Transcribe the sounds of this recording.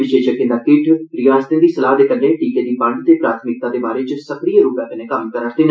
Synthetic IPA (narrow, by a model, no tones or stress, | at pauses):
ʋɪʃeːʃəkːẽnd̪aːkɪʈʰɾɪjaːst̪ẽːd̪iːsəlaːɦd̪eːkənːeːʈiːkeːd̪iːpə̃ɳɖt̪eːpɾaːt̪ʰmɪk̚t̪ãːd̪eːbaːɾeːt͡ʃosəkɾieːɾuːpɛ̃ːk̪ənẽːkəmkəɾəɾt̪eːn